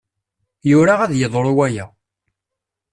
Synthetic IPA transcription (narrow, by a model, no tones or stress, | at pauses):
jʊɾaʁæðjəðˤɾˤwæjæ